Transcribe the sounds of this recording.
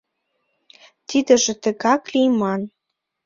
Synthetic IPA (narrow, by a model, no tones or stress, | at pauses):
t̪id̪ə̆ʒĕt̪ə̆ɣɑklijmɑn